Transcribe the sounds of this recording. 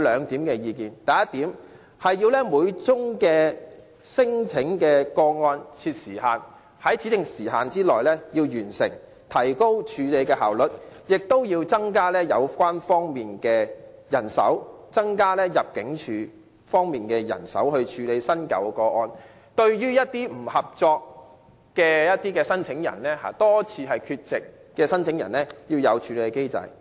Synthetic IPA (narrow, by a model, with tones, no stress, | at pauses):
lœː˨˧ŋt̪iː˨˥mkɛː˧jiː˧kiː˨nt̪ɐ˨jɐ˥t̪iː˨˥m | hɐ˨jjiː˧wlɛː˥muː˨˧jt͡sʊ˥ŋkɛː˧ | sɪ˥ŋt͡sʰɪ˨˥ŋkɛː˧kɔː˧ŋɔː˧nt͡sʰiː˧t̚siː˨˩haː˨n | hɐ˨˥jt͡sʰi˨˥t͡sɪ˨ŋsiː˨˩ɦa̰ː˨nt͡siː˥lɔː˨˩jlɛː˥jiː˧wjyː˨˩nsɪ̰˨˩ŋ | t̪ʰɐ˨˩jko˥wt͡ʃʰyː˨˧le˨˧jkɛː˧ɦaː˨˩wlɵ˨t̚jɪ˨k̚t̪o˥wjiː˧wt͡sɐ˥ŋkaː˥lɛː˥jɐ̰˨˧wkʷaː˥nfɔː˥ŋmiː˨nkɛː˧jɐ˨˩nsɐ̰˨˥wt͡sɐ˥ŋkaː˥lɛː˥jɐ˨p̚kɪ˨˥ŋt͡ʃʰyː˨˧ | fɔː˥ŋmiː˨nkɛː˧jɐ̰˨˩nsɐ̰˨˥whɵ˧ɥt͡ʃʰyː˨˧le˨˧jsɐ˥nkɐ̰˨˥wkɔː˧ʔɔː˧n | t̪ɵ˧ɥjyː˥jɐ˥t̚t̪iː˥m̩˨˩hɐ˨˩p̚t͡sɔː˧k | kːɛː˧jɐ˥t̚t̪iː˥kɛː˧sɐ˥nt͡sʰɪ˨˥ŋjɐ̰˨˩nlɛː˥ha̰ː˨˧t̪ɔː˥t͡sʰiː˧ɦɐ˨jkʰyː˧t̚t͡sɪ˨kː | ɛː˧sɐ˥nt͡sʰɪ˨˥ŋjɐ̰˨˩nlɛː˥jiː˧wjɐ˨˧wt͡ʃʰyː˨˧le˨˧jkɛ˧ke˥jt͡sɐ̰˨˧j